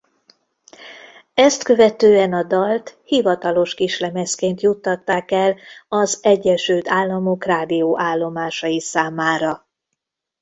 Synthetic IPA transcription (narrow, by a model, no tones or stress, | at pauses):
ɛst̪kø̞vɛt̪øːɛnɒd̪ɒlt̪hivɒt̪ɒlo̞ʃkiʃlɛmɛskeːnt̪jut̪ːɒt̪ːaːkɛlɒzɛɟːɛʃylt̪aːlːɒmo̞kraːd̪ijoːʔaːlːo̞maːʃɒjisaːmaːɾɒ